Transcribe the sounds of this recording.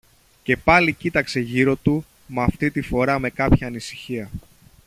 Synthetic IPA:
ce̞pɐlicit̪ɐkse̞ʝiɾo̞t̪u | mɐft̪it̪ifo̞ɾɐme̞kɐpçɐːnisi̥çiɐ

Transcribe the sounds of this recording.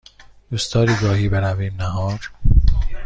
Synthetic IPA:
d̪ust̪ʰɒːɾiːɡɒːhiːbenæviːmnæɦɒːɾ

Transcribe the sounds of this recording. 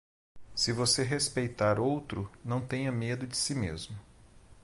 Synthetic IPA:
sɪvoseɦespejt̪aɾowt̪ɾʊnɐ̃w̃t̪ẽjɲɐmed̪ʊd͡ʒɪsimezmʊ

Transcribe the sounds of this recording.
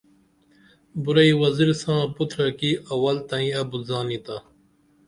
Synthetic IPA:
buɾɐiwɐziɾsãːput̪ʰɾɐkiɐwɐlt̪ɐ̃ĩɐbuzaːnit̪a

